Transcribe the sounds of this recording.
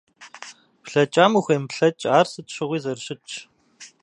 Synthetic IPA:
pɬɐt͡ʃʼaːmuxʷeːmɬɐt͡ʃʼaːrsɨtʰʼɕɪʁʷiːzɐrɕɪt͡ʃʰ

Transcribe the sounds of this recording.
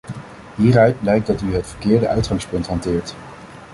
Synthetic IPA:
ɦiːrœɥd̚blɛjk̚dɑtyɦətfəɹkɪːɹdəʔœɥtχɑŋspɵntɦɑntɪːɹt

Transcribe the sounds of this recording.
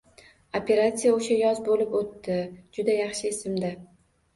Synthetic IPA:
opʰe̞ɾat̪sijaoʃajɒzbolɪpot̪ːɪd͡ʒʊd̪ajɑχʃɪːsɪmd̪a

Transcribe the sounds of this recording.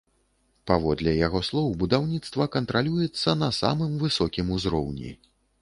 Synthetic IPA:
pavɔd̪lʲɛjaɣɔslˠɔwbud̪awnʲit̪st̪vɐkɐnt̪ɾʔalʲujɛt̪sːɐnɐsa̰mɨmvɨsɔkʲimuzɾɔwnʲḭ

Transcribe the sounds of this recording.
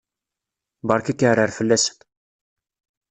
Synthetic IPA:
bɑɾˤkikːəɾəɾfəlːæsə̥n

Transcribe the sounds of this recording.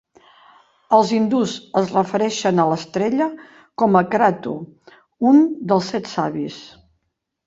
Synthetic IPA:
əlˠzind̪uzəzrəfəɾɛʃənələst̪ɾɛʎə | kɔməkɾat̪u | und̪əlˠsːɛt̪saβis

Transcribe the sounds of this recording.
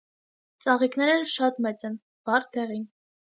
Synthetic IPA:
t͡sɑʁiknɛɾɛlʃɑt̪mɛt͡sɛn | b̥ɑɾt̪ɛʁin

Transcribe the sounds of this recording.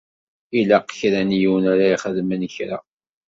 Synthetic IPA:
ilæqçɾænjuwnaɾaiχəðmənçɾa̰

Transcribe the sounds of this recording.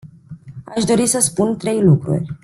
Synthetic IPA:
aʃd̪o̞ɾisəspunt̪ɾe̞jlukɾṵrʲ

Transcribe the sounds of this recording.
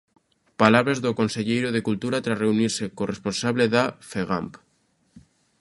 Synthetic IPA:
palaβɾazðoko̞nseʎejɾoð̞ekult̪uɾat̪ɾareuniɾsekoresponsaβleðafeɣa̰mp

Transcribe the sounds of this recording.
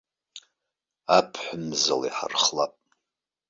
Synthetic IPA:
apʰħʷʊmzalḭħa̰rχlapʼ

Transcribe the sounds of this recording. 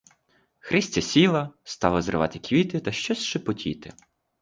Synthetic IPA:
xɾʔɛsʲtʲɐsʲilˠɐst̪ɑlˠɐzɾɪ̰ʋɑ̰t̪ɪkʋʲit̪ɪt̪ɐʃt͡ʃɔsʲʃɪpɔtʲḭt̪ɪ̰

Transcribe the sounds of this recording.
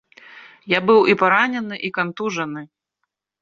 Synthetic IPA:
jabɨwʔipaɾanʲɛnɨʔikant̪uʐɐnɨ

